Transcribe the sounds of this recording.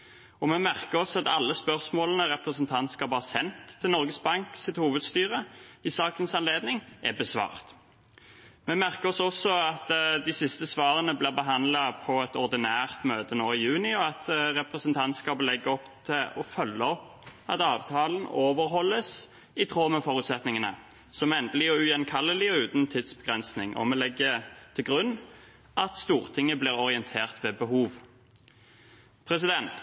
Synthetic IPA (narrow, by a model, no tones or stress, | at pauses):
ɔmɛmæʁkəʁɔsɔɑt̪ɑ̰lːəspœʁsmoːlənəʁɛpʁəsənt̪ʰɑnt̪skɑːbɑʁsɛnt̪ʰːɪlnɔʁɡəsbɑŋksɪt̪huːʋəd̪st̪yːʁəɪsɑːkənsɑnleːd̪nɪŋʔɛ̰bəsʋɑ̰ːʁt̪ | mɛmæʁkəʁɔsɔsɔɑt̪d̪ɪsɪst̪əsʋɑːʁənəblɪːʁbəɦɑnd̪lɑpʰɔɛt̪ɔʁd̪ɪnæːʁt̪møːt̪ənoːɪjʉːnɪɔɑt̪ʁɛpʁəsənt̪ʰɑnt̪skɑːbəlɛɡːəɔpt̪ʰɪlɔfœlːəɔpː | ɑ̰t̪ɑːʋt̪ʰɑːln̩oːʋəʁɦɔlːəs | ɪt̪ʰʁoːməfɔɾʉːt̪sɛt̪nɪŋənə | sɔmɛnd̪əlɪɔʉjɛnkʰɑlːəlɪɔʉːt̪n̩t̪ʰiːd̪sbəɡʁɛnsnɪŋʔɔ̰mɛlɛɡːət̪ʰɪlɡʁʉnː | ʔɑt̪st̪uːʁt̪ʰɪŋːəbliːʁɔʁɪɛnt̪ʰeːʁt̪ʋɛːbəhuːʋ | pʰʁɛs̬ɪd̪ɛnt̪